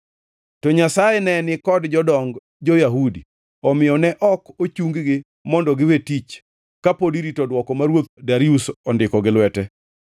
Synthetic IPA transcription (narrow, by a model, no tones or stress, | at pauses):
tɔɲasajɛnɛnɪkɔdd͡ʒɔdɔŋɡ | d͡ʒojaɦudi | ɔmɪjɔnɛʔɔkot͡ʃuŋɡɡɪ | mɔndɔɡɪwetit͡ʃ | kapodiɾitɔdwɔkɔmaɾwot̪̚daɾiusɔndɪkɔɡɪlwɛtɛ